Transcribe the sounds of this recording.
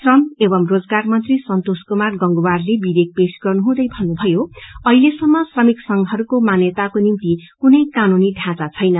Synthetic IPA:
srʌmebʌmrod͡zɡarmʌnt̪risʌnt̪oskomarɡʌŋɡowarlebidek̚pesɡʌrnuɦũd̪ʌjbʱʌnːubʱʌjoʌilesʌmːʌsrʌmiksʌŋɦʌɾukomanjet̪akonimt̪ikunʌjkanuniɖʱãt͡sat͡sʰʌjnʌ

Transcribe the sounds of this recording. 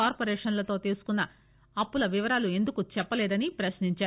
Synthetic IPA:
aːɾpoɾɛːʂɐnlɐt̪o̞ːt̪iːɾsu̥kunːɐ | ɐpːulɐʋiʋɐɾaːlue̞nd̪ukut͡ʃɛpːɐlɛːd̪ɐnipɾɐʃniɲt͡ʃaːɾu

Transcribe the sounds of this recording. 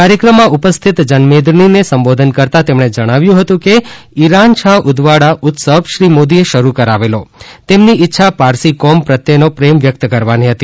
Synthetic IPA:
kaɾjəkɾəmːãupəst̪ʰit̪d͡ʒənmed̪ɾninesəmbod̪ʱənkəɾt̪at̪emɳ̃ed͡ʒəɽ̃aʋjũɦət̪ũkeiɾant͡ʃʰaɦʔʊd̪ʋaɽaʔʊt̪səbʃɾimod̪ieʃəɾukəɾaʋelot̪emniɪtːʃʰapaɾsikɔmpɾət̪jenopɾemʋjək̚t̪kəɾʋaniɦət̪i

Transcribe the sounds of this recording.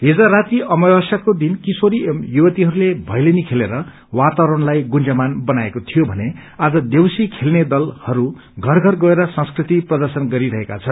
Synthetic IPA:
ɦid͡zaɾat̪iʌmʌwʌsjakod̪inkisoɾiemjubʌt̪iɦʌɾulebʱʌjlenikʰeleɾʌ | wat̪awɾʌnlajɡund͡zʌmanbʌnaekot̪ʰijobʱʌnead͡zʌd̪ewsikʰelned̪ʌlhʌɾu | ɡʱʌrɡʱʌrɡʌeɾʌsʌ̃ŋskrit̪iprʌd̪ʌrsʌnɡʌɾiɾʌɦeka̰t͡sʰʌn

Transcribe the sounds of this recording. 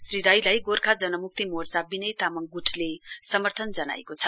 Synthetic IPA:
sriɾajlajɡorkʰad͡zʌnʌmuk̚t̪imort͡sabinʌjt̪amʌŋɡuʈʰlesʌmʌrt̪ʰʌnd͡zʌna̰ḛkot͡sʰʌ

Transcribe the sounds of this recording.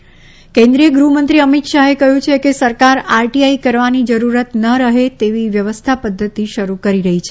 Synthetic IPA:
kẽnd̪ɾijəɡɾumə̃nt̪ɾiəmit̪ʃaɦekəɦjũt͡ʃʰekesəɾkaɾaɾʈiaikəɾʋanid͡ʒəɾuɾət̪nəɾəɦet̪eʋiʋjəʋəst̪ʰapəd̪ʱːət̪iʃəɾukəɾiɾəɦit͡ʃʰe

